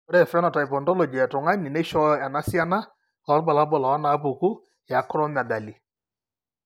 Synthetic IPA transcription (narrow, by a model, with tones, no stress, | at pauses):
ɔ˦ɾɛ˦˨fna˨ta˨pɔ˨ndɔ˦lɔ˨d͡ʒi˨ɛ˨tʊ˨ŋa˦ni˨ne˦ʃɔ˦a˨na˦si˦a˦na˦ | ɔ˨˦ɾba˨la˦bɔ˨la˨ɔ˦na˨˦pu˨ku˦ | ja˨˦kʊ˦ɾɔ˦ma˨ɡa˨li˨